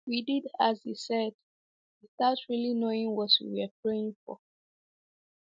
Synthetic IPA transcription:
wididazhisɛd̥ | wistatɹilinoĩŋwɔtwḭwɛpʰɹeĩŋfɔ̰

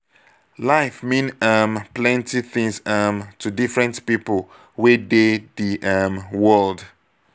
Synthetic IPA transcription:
laɪfmĩnamplɛ̃ntiθĩŋsʌmtʰudifɹɛ̃ntpipəlˠ | wedeðiʔʌmwɜlˠd

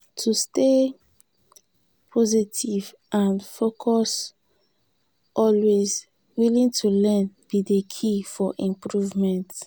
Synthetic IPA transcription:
tʰuste | pʰɔzitʰiv | ʔãnfokʰɔs | ʔɔlwez | wilĩŋtʰulɛ̃nb̥idekʰifɔʔĩmpɹuvmɛ̃nt

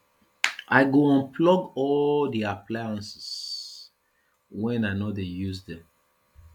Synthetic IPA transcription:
ʔaɪɡoɔ̃npʰlɔɡɔldiapʰlajãnsɛ̥s | wɛ̃nanɔdejuzdɛ̃m

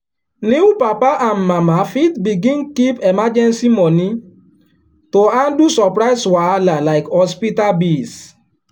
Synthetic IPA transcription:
nĩwupapaʔam̩mãmafitbiɡĩnkipemad͡ʒɛnsimɔnĩ | toãndusɔpɾaɪswaalalaɪkhɔspitabis

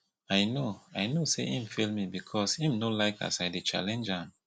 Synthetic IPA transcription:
ajnoajnoseʔĩmfilmibikʰɔsĩmnolaɪkʰa̰saɪdit͡ʃa̰lɛ̃nd͡ʒãn

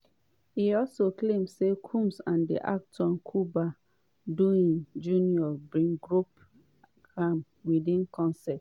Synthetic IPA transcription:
iɔlsoklẽmsekʰũmsãndḭʔa̰k̚tɔ̃nkʰuba | duĩnd͡ʒuniɔbɹĩŋɡɹup | ɡɹãm | widĩnkɔ̃nsɛt

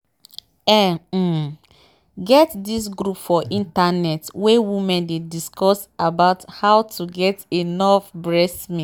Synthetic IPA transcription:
ɛ | ɡɛtdis̬ɡɾupfɔʔĩntanɛtwewimɛ̃ndediskɔsabaʊthaʊtʰuɡɛtinɔfbɹɛsmĩ

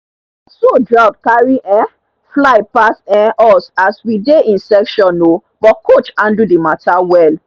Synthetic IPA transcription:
sodɹat̚kaɹiʔɛ̃ | flaɪpasɛ̃ʔɔsaswideĩnsɛkʃɔ̃nːob̥ɔtkot͡ʃãndudematawɛl

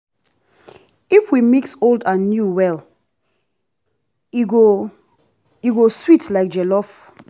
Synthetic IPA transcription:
ifwimiksoldãnːjuwɛl | iɡo | juɡoswitlaɪk̚d͡ʒɛlɔf

